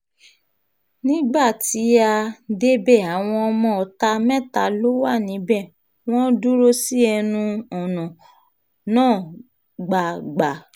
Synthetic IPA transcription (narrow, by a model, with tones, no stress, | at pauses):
nĩ˦ɡ͡ba˦˨ti˨˦a˧de˦bɛ˦˨a˨w̃ɔ̃˧ɔ˧mɔ̃˧˨ɔ˨ta˧mɛ̃˦˨ta˨˦lo˦wa˦˨nĩ˨˦bɛ˦˨ | w̃ɔ̃˦du˦ɾo˦si˦ɛ˧nũ˧ɔ˨nɔ̃˨ | nãː˦˨ | ɡ͡ba˨ɡ͡ba˨